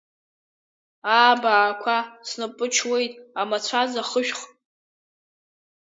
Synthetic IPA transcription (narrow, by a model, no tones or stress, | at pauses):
aːbaːkʷʰasnɨpʼɨt͡ʃʰwe̞jtʼamat͡ɕʷʰazaχəʒᶣχ